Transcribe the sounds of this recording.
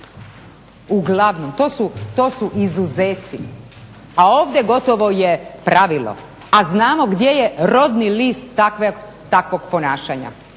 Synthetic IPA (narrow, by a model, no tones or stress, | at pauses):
uɡlˠaʋno̞mt̪o̞ːsut̪o̞ːsuʔizuzeːt̪si | aoːʋd̪jeɡo̞t̪o̞ʋo̞jepɾaʋilˠo̰ | aznaːmo̞ɡd̪je̞je̞ɾo̞d̪niliːst̪ːakʋe | t̪akʋo̞ɡ̚po̞naːʃaɲa̰